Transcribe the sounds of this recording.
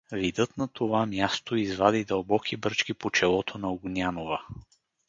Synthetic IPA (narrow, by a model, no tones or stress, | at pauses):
vid̪ɤt̪nɐt̪ʰovamʲjast̪oizvad̪id̪ɐlˠbɔkʰibɾt͡ʃkipot͡ʃɛlˠɔt̪ʰonɐoɡnʲjanovə